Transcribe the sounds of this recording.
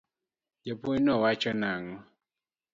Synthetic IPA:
d͡ʒepoɲnɔwat͡ʃɔnaŋɔ

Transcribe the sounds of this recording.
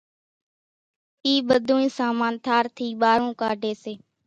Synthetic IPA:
iːɓəd̪ʱuːĩːsaːmaːnt̪ʰaːɾt̪ʰiːɓaːɾõːkaːɖʱeːseː

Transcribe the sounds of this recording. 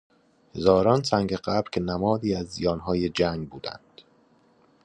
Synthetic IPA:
he̞zɒːɾɒːnsæŋɟeɢæbɾcʲʰe̞næmɒːd̪iːæzːijɒːnɦɒːje̞d͡ʒæŋɡbuːd̪æ̰nd̪̥

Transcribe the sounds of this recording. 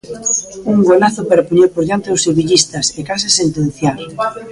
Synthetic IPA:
uŋɡolaθopeɾapuɲewpoɾðant̪ewseβiʎist̪ɐsekasesent̪ẽn̟θjal

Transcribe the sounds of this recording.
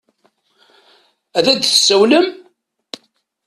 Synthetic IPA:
æðæd̪θsːəwləm

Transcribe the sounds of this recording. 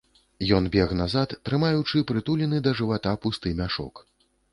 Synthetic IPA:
jɔnbʲɛɣnazat̪ːɾɨmajut͡ʂɨpɾɨt̪ulʲinɨd̪ɐʐɨvat̪apust̪ɨmʲaʂɔ̰k

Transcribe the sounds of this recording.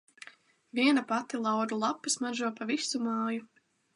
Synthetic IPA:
vʲiɛnapat̪ilˠawd̪ulˠapːɨsmaʒuɔpavisumaːju

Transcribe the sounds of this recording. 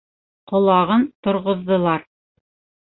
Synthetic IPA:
qŏlˠɑʁɤnt̪ŏɾʁŏðːɤ̆lˠɑɾ

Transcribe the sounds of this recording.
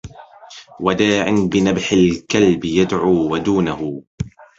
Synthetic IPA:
wad̪aːʕɪnbɪnabħɪlkalbjad̪ʕuːwad̪uːnahʊ

